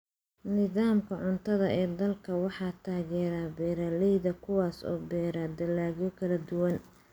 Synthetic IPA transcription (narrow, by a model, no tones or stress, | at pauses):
nɪðaːmkʰɐʕʊnt̪ʰɐðɐʔɛːd̪ɐlkʰɐwɑħɑːt̪ʰaːɣɛːɾaːbɛːɾaːlɛjðɐkʰʊwaːsɔ̰ːbɛːɾaːd̪ɐlaːɣjɔkʰɐlɐd̪ʊwɐn